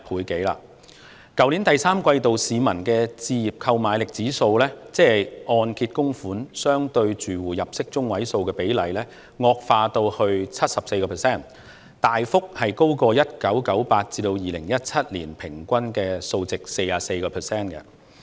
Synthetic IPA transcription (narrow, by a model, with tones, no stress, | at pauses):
pʰuː˨˧jke˨˥jla̰ː˧ | kɐ˨˥wli˨˥nt̪ɐ˨jsaː˥mkʷɐ˧jt̪o˨wsiː˨˧mɐ˨˩nkɛː˧t͡siː˧jiː˨˩p̚kʰɐ˧wmaː˨˧jlɪ˨k̚t͡siː˨˥so˧wlɛː˥t͡sɛː˥˨˩ɔː˧nkʰiː˧t̚kʊ˥ŋfuː˨˥nsœː˥ŋt̪ɵ˧ɥt͡ʃyː˨˩wuː˨˩jɐ˨p̚sɪ˥k̚t͡sʊ˥ŋwɐ˨˥jso˧wkɛː˧pe˨˥jlɐ˨˩jlɛː˥ | ŋɔː˧k̚faː˧t̪o˧whɵ˧ɥt͡sʰɐ˥t̚sɐ˨p̚se˧jkɔː˧pʰɛː˨˩sɛː˥˩n | t̪aː˨jfʊ˥k̚hɐ˨jko˥wkɔː˧jɐ˥t̚kɐ˨˥wkɐ˨˥wpaː˧t̚t͡siː˧t̪o˧wjiː˨lɪ̰˨˩ŋjɐ˥t̚t͡sʰɐ˥t̚lḭː˨˩npʰɪ˨˩ŋkʷɐ˥nkɛː˧so˧wt͡sɪ˨k̚se˧jaː˨se˧jkɔː˧pʰɛː˨˩sɛː˥˩nkɛ̰˧